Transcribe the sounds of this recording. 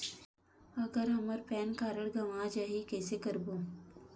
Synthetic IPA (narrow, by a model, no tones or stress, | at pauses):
ɐɡəɾɦɐməɾpɛːnkaːɾəɽɡɐʋãːd͡ʒaːɦikɛːsekɐɾboː